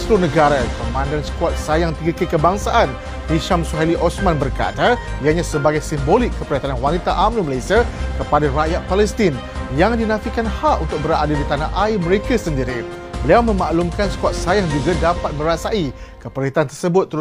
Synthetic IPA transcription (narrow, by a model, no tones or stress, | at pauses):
slʊnə̃ɡaɾapəmãndansə̥kuat̪̚sajaŋt̪iɡəkəkəbaŋsaʔan | diʃamsuɦaliʔɔsmãnbərka̰t̪aiaɲãsəbaɡajsimbolɪkːəpəɾit̪aanwanit̪aʔamnuməlajsiakəpadaɾajat̪̚palɛst̪in | jaŋdinãfikanhaʔunt̪ʊk̚bəɾadadit̪anaʔaimə̃ɾekasəndiɾi | bəliawmə̃maʔlumkansə̥kuat̪̚sajaŋd͡ʒuɡadapat̪̚mə̃ɾasaʔikəpəɾit̪ant̪ərsəbʊt̪̚ːə